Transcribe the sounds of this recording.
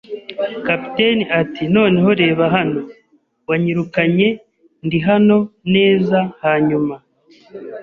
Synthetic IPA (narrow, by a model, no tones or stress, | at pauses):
kapi̥teniatino̞ːne̞ɦo̞ɾe̞ːβaɦano̞ | waɲiɾukaɲe̞ | ndiɦano̞ne̞ːzahaɲuma